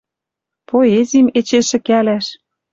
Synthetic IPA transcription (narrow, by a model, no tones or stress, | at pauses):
poezʲimet͡ɕeʃɘ̆kælæʃ